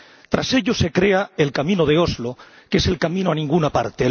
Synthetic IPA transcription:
t̪ɾa̰se̞ʎo̞se̞kɾe̞ae̞lkamĩnoð̞eo̞zlo | ke̞se̞lkamĩno̞anĩŋɡunapa̰ɾt̪e

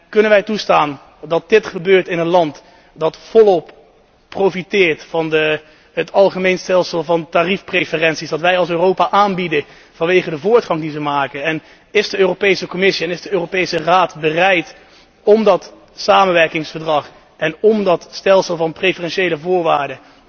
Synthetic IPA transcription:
kɵnənʋɛjtustaːn | dɑt̚d̥ɪtχəbøːɹtɪnənlɑnt | dɑtfɔlˠɔpː | rowfitɪːɹtfɑndə | ɦətɑlˠχəmejnstɛlˠsəlˠvɑntaːrifprejfərɛnsisdɑtʋɛjɑlˠs̬øːrowpaʔaːnbidə | v̥ɑnʋejχədəvʊːɹtχɑŋdizəmaːkəɛn | ɪsdəøːropejsəkomɪsiɛnɪzdəøːropejsəraːtbərɛjt | ɔmdɑt | saːmənʋɛɹkɪŋsfəɹdrɑχ | ɛnɔmdɑtstɛlˠsəlˠvɑnprefərɛnʃejləvʊːɹʋaːɹdə

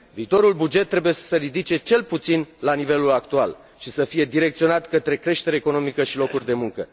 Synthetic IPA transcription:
viːt̪o̞ɾulbud͡ʒe̞t̪ːɾe̞buje̞ssəɾid̪it͡ʃe̞t͡ʃe̞lput̪sinlanive̞lulakt̪ual | ʃisəfije̞d̪iɾe̞k̚t̪sio̞nat̪kət̪ɾe̞kɾe̞ʃt̪e̞ɾeːko̞no̞mikəʃilo̞kurʲd̪e̞muŋkə

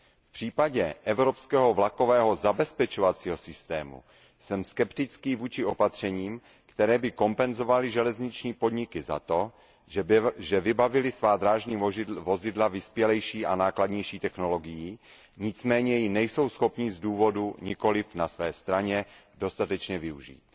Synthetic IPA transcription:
fpr̥iːpaɟɛʔɛvɾo̞pskɛːɦo̞vlako̞vɛːɦo̞zabɛspɛt͡ʃovat͡siːɦo̞sɪst̪ɛːmṵ | sɛmskɛpt̪ɪt͡skiːvuːt͡ʃɪopat̪r̝̥ɛɲiːm | kt̪ɛɾɛːbɪko̞mpɛnzo̞valɪʒɛlɛzɲɪt͡ʃɲiːpo̞dɲɪkɪza̰t̪o̞ | ʒɛvɪbavɪlɪsvaːd̪ɾaːʒɲiːvo̞zɪdlavɪspjɛlɛjʃiːʔanaːkladɲɛjʃiːt̪ɛxno̞lo̞ɡɪjiː | ɲɪt͡smɛːɲɛjɪnɛjso̞wsxo̞pɲizduːvo̞duɲɪko̞lɪfnasvɛːst̪ɾaɲɛdo̞st̪at̪ɛt͡ʃɲɛvɪuʒḭːt̪

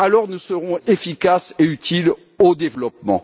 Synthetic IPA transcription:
alɔʁnusəʁɔ̃efikaseyt̪ʰil | od̪evlɔp̚mɑ̰̃

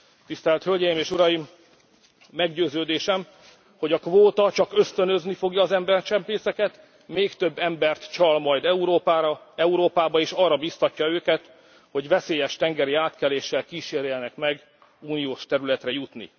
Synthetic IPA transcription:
t̪ist̪ɛlt̪hølɟɛjimeːʃuɾɒjimː | ɛɡɟøːzøːd̪eːʃɛm | ho̞ɟɒkvoːt̪ɒt͡ʃɒkø̞st̪ø̞nøznifo̞ɡjɒːzɛmbɛrt͡ʃɛmpeːsɛkɛt̪ | meːkt̪ø̞bːɛmbɛrt̪t͡ʃɒlmɒjd̪ɛuɾoːpːɒɛuɾoːpaːbɒeːʃɒrːɒbiːst̪ɒcːɒøːkɛt̪ | ho̞ɟvɛseːjɛʃt̪ɛŋɡɛɾiaːt̪kɛleːʃːɛlkiːʃeːrjɛnɛkmɛɡ | uːnijoːʃt̪ɛɾylɛt̪rɛjut̪nḭ

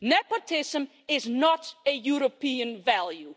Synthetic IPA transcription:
nɛpotʰɪzə̃m | ɪznətɨjuɹəpiə̃nvælˠju

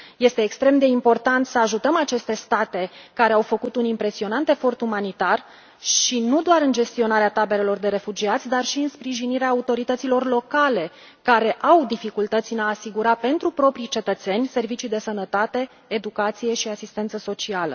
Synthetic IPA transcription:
je̞st̪e̞ːkst̪ɾe̞md̪e̞impo̞rt̪ant̪səaʒut̪əmat͡ʃe̞st̪e̞st̪at̪e̞kaɾe̞awfəkut̪unimpɾe̞sio̞nant̪e̞fo̞rt̪umanit̪ar | ʃinud̪oaɾɨnd͡ʒe̞st̪io̞naɾeat̪abe̞le̞lo̞rd̪e̞ɾe̞fud͡ʒiat̪sʲd̪arʃiɨnspɾiʒiniɾeaːut̪o̞ɾit̪ət̪silo̞rlo̞kale̞ | kaɾe̞ʔawd̪ifikult̪ət̪sʲɨnaːsiɡuɾape̞nt̪ɾupɾo̞pɾijt͡ʃe̞t̪ət̪se̞nʲse̞rvit͡ʃijd̪e̞sənət̪at̪e̞ː | d̪ukat̪sije̞ʃiasist̪e̞nt̪səso̞t͡ʃialə̰

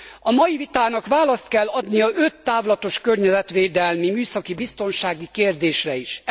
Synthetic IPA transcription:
ɒmɒjivit̪aːnɒkʋaːlɒst̪kɛlːɒd̪nijɒʔøt̪ːaːvlɒt̪o̞ʃkørɲɛzɛt̪ʋeːd̪ɛlmimyːsɒkibist̪o̞nʃaːɡikeːrd̪eːʃrɛiʃ

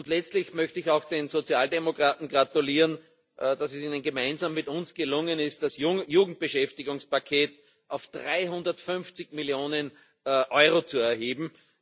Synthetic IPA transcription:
ʊndlɛt͡stlɪçmœçtəɪçaʊxd̥eːnz̥ot͡sjaːldemokʁ̥aːtn̩ɡʁatuliːʁən | ʔd̥asɛsiːnənɡemaɪnzaːmːɪtʊnsɡ̥əlʊŋənɪst̚d̥asjjuːɡŋ̩t̚b̥əʃɛftɪɡʊŋspakʰeːt | ʔaʊfd̥ʁaɪɦʊ̃ndɐtfʏnft͡sɪçmɪljoːnən | ʔɔʏʁot͡suɛɐɦeːbm̩

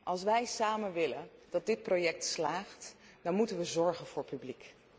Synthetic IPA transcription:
ʔɑlˠsʋɛjsaːmənʋɪlənd̥ɑt̚dɪt̚projɛk̚tslaːχt | dɑnmutənʋəzɔɹχənv̥ʊːɹpyblik

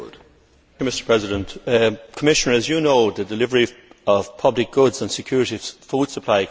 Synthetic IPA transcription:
d̥ | jumɪstə˞pʰɹ̥ɛzɪdə̃ntkʰəmɪʃənə˞əzjənoʊðədɪlɪvəɹiəv̥pʰʌblɪk̚ɡ̥ʊdzə̃nsɪkʰj̥ʊːɹɪɾifuːd̥səpʰl̥aɪ

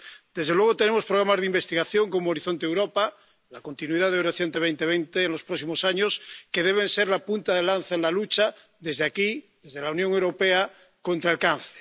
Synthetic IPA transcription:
d̪̥e̞zðelwe̞ɣ̞ot̪e̞nemo̞spɾoɣ̞ɾamazðimbest̪iɣaθjoŋko̞moːɾiθont̪eewɾopa | lako̞nt̪inuiðaðewɾeθjent̪eβ̞ejnt̪eβ̞ejnt̪eːnlo̞spɾoksimosaɲoskeð̞eβ̞ẽnseɾlapunt̪aðelanθaenlalut͡ʃa | ðezðeaki | ðezð̞elaunjõŋewɾopea | kont̪ɾalkanθe̥

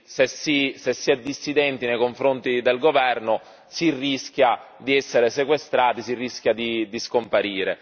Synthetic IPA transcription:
sesːisesːiɛd̪ːisːid̪ɛnt̪inejkoɱfɾont̪id̪elɡovɛrnʊ | sirːiskʲja | d̪iɛsːeɾesekwest̪ɾaːt̪isirːisk̟jad̪id̪iskompaɾiːɾe

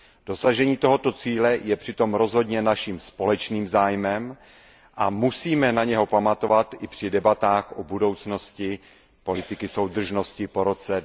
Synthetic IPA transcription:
d̥o̞saʒɛɲiːt̪o̞ɦo̞t̪ot͡siːlɛjɛpr̥ɪt̪o̞mɾo̞zɦo̞dɲɛnaʃiːmspo̞lɛt͡ʃniːmzaːjmɛm | ʔamusiːmɛnaɲɛɦo̞pamat̪o̞vat̪ɪpr̝̥ɪdɛbat̪aːxʔobudo̞wt͡sno̞scɪ | po̞lɪt̪ɪkɪso̞wd̪r̩ʒno̞scɪpo̞ɾo̞t͡sɛ

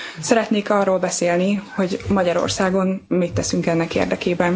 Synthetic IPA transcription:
sɛɾɛt̪neːkɒrːoːlbɛseːlniho̞ɟmɒɟɒɾo̰rsaːɡo̞nmit̪ːɛsyŋkɛnːɛkḛːrd̪ɛkeːbɛn

